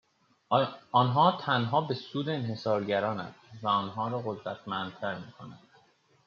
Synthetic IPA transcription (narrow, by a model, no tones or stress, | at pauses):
ɒːnɦɒːt̪ʰænɦɒːbe̞suːd̪e̞ːnɦe̞sɒːɾɟæɾɒːnæ̰nd̪væɒnɦɒːɾɒːɣo̞d̪ɾæt̪ʰmænd̪̚t̪ʰæɾmiːkʰo̞nænd̪̥